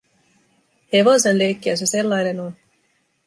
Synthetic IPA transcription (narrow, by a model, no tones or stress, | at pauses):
he̞ʋo̞senleːkːiæsese̞lːɑjne̞non